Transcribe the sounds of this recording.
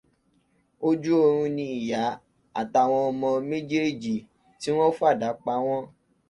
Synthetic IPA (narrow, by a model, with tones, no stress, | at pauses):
o˦d͡ʒu˦o˧ɾ̃ũ˧nĩ˧i˨ja˨˦ | a̰˨ta˧˨w̃ɔ̃˧ɔ˧mɔ̃˧mẽ˦d͡ʒe˦d͡ʒi˨ | ti˨˦w̃ɔ̃˦fu˦a˦˨da˨˦k͡pa˧˦w̃ɔ̃˦